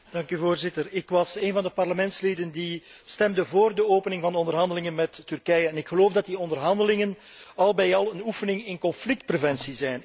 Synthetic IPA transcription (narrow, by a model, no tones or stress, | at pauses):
d̥ɑŋkyvoːrzɪtərɪkʋɑseːnvɑndəpɑrləmɛntsleːdəndistɛmdəvoːrdəoːpənɪŋvɑndəɔndərɦɑndəlɪŋənmɛtːʏrkɛjəɛnɪkxəloːvdɑt̚diɔndərɦɑndəlɪŋən | ɑlˠbɛjɑlˠənufənɪŋɪnkɔnflɪk̚t̚prevɛnsizɛn